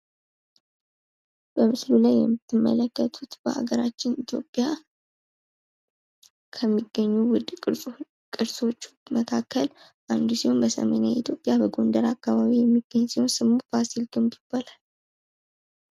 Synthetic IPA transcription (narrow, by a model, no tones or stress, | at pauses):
b̥əmɨslulajːɛ̰mːɨt̪ʰːɨmːə̰ləkːət̪ʰut̪b̥ə̰ha̰ɡəɾat͡ʃːɪnit̪ʰjo̞̰pʼːija | kʰəmːiɡːəɲːuwʊd̪ʼ | kʼɨɾso̞t͡ʃːməkʰakʰːəl | ʔand̪usiho̞nbəsə̰mḛnjait̪ʰjo̞pʼjabəɡo̞nd̪əɾakːaβaβijɛmːiɡ̥ːəɲːsiho̞nsɨmːubasilɡɨmd̪ib̥alal